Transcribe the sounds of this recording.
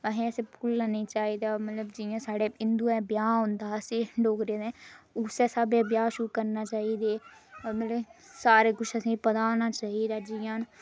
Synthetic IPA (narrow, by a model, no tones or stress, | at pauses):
əɦẽːəsepʰulːanĩːt͡ʃaːid̪aːmət̪ləbd͡ʒijãːsaːɽeːɪnd̪uɛ̃ːbjaːɦʊ̃nd̪aːəseːɖoːkɾeːd̪ɛ̃ːʊsɛːsabjẽːbjaːʃʊɾukəɾnaːt͡ʃaːiːd̪eːmət̪ləsaːɾeːkʊʃəsĩːpəd̪aːonaːt͡ʃaːɦiːd̪aːd͡ʒijãːn